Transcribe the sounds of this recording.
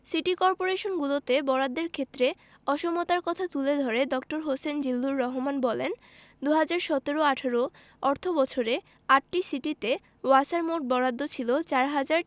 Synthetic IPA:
siʈikɔɾpoɾeʃonɡulot̪ebɔɾad̪ːeɾkʰet̪ːɾe | ɔʃomot̪aɾkɔt̪ʰat̪uled̪ʱɔɾeɖɔk̚ʈoɾɦosend͡ʑilːuɾːɔɦomanbɔlen | d̪uɦad͡ʑaɾʃɔt̪eɾoaʈʰaɾo | ɔɾt̪ʰobɔt͡ɕʰoɾe | aʈ̚ʈisiʈit̪e | wasaɾmoʈ̚bɔɾad̪ːot͡ɕʰilot͡ɕaɾɦad͡ʑaɾ

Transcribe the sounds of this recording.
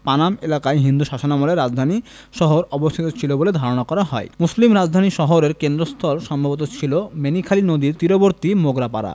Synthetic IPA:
panamelakaeɦind̪uʃaʃanamoleɾːad͡ʑd̪ʱani | ʃɔɦoɾɔbost̪ʰit̪ot͡ɕʰiloboled̪ʱaɾonakɔɾaɦɔemuslimɾad͡ʑd̪ʱaniʃɔɦoɾeɾkend̪ɾost̪ʰɔlʃɔmbʱabot̪̬ot͡ɕʰilomenikʰalinod̪iɾt̪iɾoboɾt̪imoɡɾapa̰ɾa̰

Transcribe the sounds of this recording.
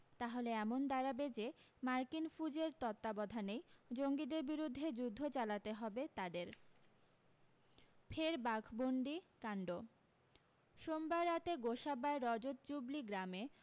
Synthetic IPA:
t̪aɦoleɛmond̪aɾabed͡ʑe | maɾkinfud͡ʑeɾt̪ɔt̪ːabɔd̪ʱanejd͡ʑoŋɡid̪eɾbiɾud̪ʱːed͡ʑud̪ʱːot͡ɕalat̪eɦɔbet̪ad̪eɾ | fʰeɾbaɡʱboɳɖikaɳɖo | ʃombaɾːat̪eɡoʃabaeɾɔd͡ʑot̪̚d͡ʑubliɡɾame

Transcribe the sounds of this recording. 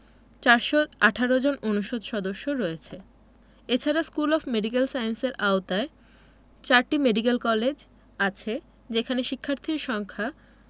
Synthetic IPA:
t͡ɕaɾʃoaʈʰaɾod͡ʑononuʃod̪ʃɔd̪oʃːoɾɔet͡ɕʰe | et͡ɕʰaɾaskulɔfmeɖik̬elsajenseɾʔaot̪ae | t͡ɕaɾʈimeɖik̬elkɔled͡ʑ | at͡ɕʰe | d͡ʑekʰaneʃikʰːaɾt̪ʰiɾʃɔŋkʰa

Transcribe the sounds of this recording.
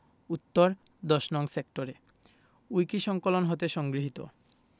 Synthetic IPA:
ut̪ːoɾd̪ɔʃnɔŋsekʈoɾe | ujkiʃɔŋkolonɦot̪eʃɔŋɡɾiɦit̪o̰

